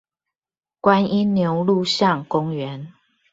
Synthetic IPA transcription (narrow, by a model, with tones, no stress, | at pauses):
kwa˦ni˦nːjo˨˧˦ʊlu˥˨ɕjɑ˥˨ŋkʊ˦ŋɥɛ˨˦n